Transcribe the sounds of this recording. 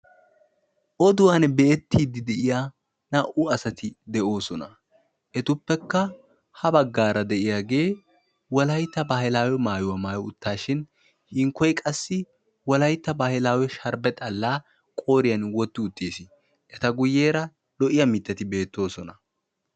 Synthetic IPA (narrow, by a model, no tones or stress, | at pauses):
ʔɔd̪ʊwaːnbeːt̪ːiːd̪ːɪd̪ɛʔɪjaː | nɐʔʊɐsɐt̪ɪd̪ɛʔo̞ːsɔnɐ | ʔɛt̪ʊpːɛkːɐ | hɐbɐɡːaːɾɐd̪ɛʔɪjaːɡe̞ː | wɔlɐjt̪ːɐbahɪlaːwɛmaːjʊwɐmaːjɔʊt̪ːaːʃɪn | hɪŋkːɔjkʼɐsːɪ | wɔlɐjt̪ːɐbahɪlaːwɛʃɐɾbɛt̪ʼɐlːaː | kʼo̞ːɾɪjɐnwɔt̪ːɪʊt̪ːeːsɪ | ɛt̪ɐɡʊjːeːɾɐ | lɔʔɪjɐmɪt̪ːɐt̪ɪbe̞ːt̪ːo̞ːsɔnɐ